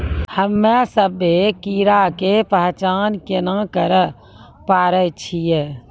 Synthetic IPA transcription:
həmːɛsəbekiːɾakepəɦt͡ʃaːnkenãkəɾə | paːɾət͡ʃʰijɛː

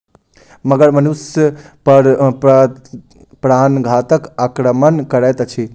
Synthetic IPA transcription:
məɡəɽmənusjə | pəɾ | pɾanɡʱat̪əkakɾəmənkəɾɛt̪t͡ʃʰi

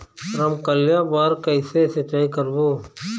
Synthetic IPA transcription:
ɾəmkəljaːbaːɾkəɪsesət͡ʃaːikəɾboː

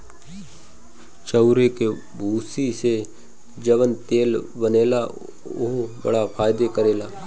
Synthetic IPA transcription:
t͡ʃəʊɾeke | bʱuːsise | d͡ʒəʋənt̪eːlbəneːla | ʊɦbə̰ɽapʰaːjd̪ekəɾeːlaː

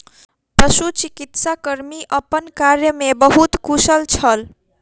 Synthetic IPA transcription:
pəsut͡ʃikit̪sakəɾmiʔəpənkaɾjəmebəɦut̪kusəlt͡ʃʰəl

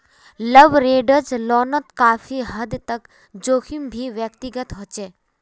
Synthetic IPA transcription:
ləʋɾeːɖəɾd͡ʒlɔːnət̪kaːfiɦəd̪t̪ək | d͡ʒoːkʰimbʱiʋjəkt̪iɡət̪ɦot͡ʃeː

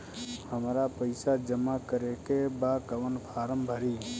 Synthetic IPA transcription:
həmɾapəɪsad͡ʒəmakəɾekebakəʋənpʰaːɾəmbʱəɾiː

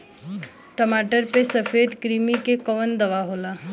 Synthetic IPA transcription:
ʈəmaːʈəɾpesɐfʰeːd̪kɾiːmikekəʋənd̪ɐʋaɦoːlaː

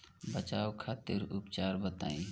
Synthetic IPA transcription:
bət͡ʃaːʋkʰaːt̪ɪɾupt͡ʃaːɾbət̪a̰ːĩ

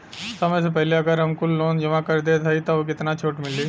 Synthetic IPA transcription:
sɐməjs̬ep̬ɛɦleɐɡəɾɦɐmkʊlːoːnd͡ʒɐmãkɐɾd̪et̪ʰɐit̪oʋokɪt̪nat͡ʃʰoːʈmɪlːiː

